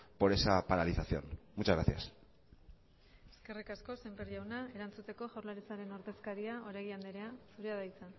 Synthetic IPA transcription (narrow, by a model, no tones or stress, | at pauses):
po̞ɾe̞sapaɾaliθaθjo̞̰nmut͡ʃazɣɾaθja̰s | e̥ske̞rikasko̞se̞mbeɾʎawnae̞ɾant͡sut̪e̞ko̞ʝawɾlaɾit͡saɾe̞no̞ɾðe̞skaɾiao̞ɾajɣiand̪eɾe̞asuɾeaðajt͡sa